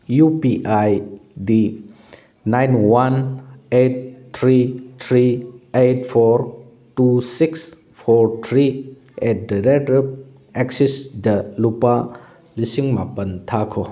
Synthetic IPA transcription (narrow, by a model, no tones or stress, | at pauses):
jupiʔajdi | najnwanet̚tʰɾitʰɾietpʰoɾ | tusiks | pʰɔɾtʰɾi | ɛt̚diɾetep̚ | eksisdɐlupa | lisiŋmapɐntʰakʰɔ